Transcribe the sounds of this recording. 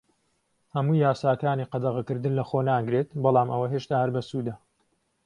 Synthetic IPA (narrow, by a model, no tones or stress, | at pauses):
hɐmuːjaːsaːkaːniːqɑd̪ɐʁɐkɨɾd̪ɨnlɐχonaːɡɾet̪bɑlˠɑːmɐwɐɦeːʃt̪aːhɐɾbɐsuːd̪ɐ